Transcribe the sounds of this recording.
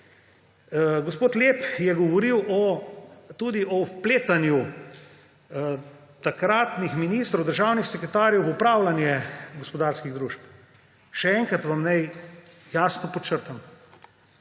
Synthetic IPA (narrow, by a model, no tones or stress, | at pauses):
ɡospoːt̪lepjɛɡɔʋɔɾiwʔɔ | t̪ud̪iʔɔpleːt̪anju | t̪akɾaːt̪nixminiːst̪ɾɐwd̪əɾʒawnixsɛkɾɛt̪aːɾjɛwʋupɾaːwlanjɛɡɔspɔd̪aːɾskiɣd̪ɾuːʃp | ʃɛɛŋkɾat̪ʋamnaj | jaːsnɔpɔt͡ʃəɾt̪am